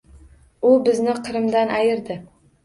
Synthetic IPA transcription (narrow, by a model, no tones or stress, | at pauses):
ʊbɪznɪqʰɨɾɪmd̪anʔajɪɾd̪ɪ